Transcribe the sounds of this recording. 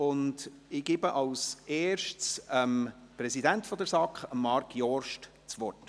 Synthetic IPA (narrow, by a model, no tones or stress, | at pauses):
ʊnd | ɪɡ̥ɪbəʔɑwsʔeːɾʃtsəm | pɾɛsidæntfɔd̪əɾsɑkχəmːɑɾkjɔrʃt | t͡sʋɔrt